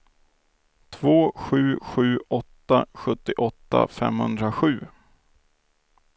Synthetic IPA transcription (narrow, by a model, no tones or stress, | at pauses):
t̪ʰvoːɧʉ̟ːɧʉ̟ːɔt̪ːaɧɵt̪ːɪʔɔt̪ːa̰fɛ̰mhɵnd̪ɾaɧʉ̟ː